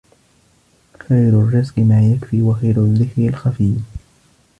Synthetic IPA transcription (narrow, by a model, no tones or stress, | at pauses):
xajɾʊrːɪzqmaːjakfiːwaxajɾʊðɪkɾalxafiː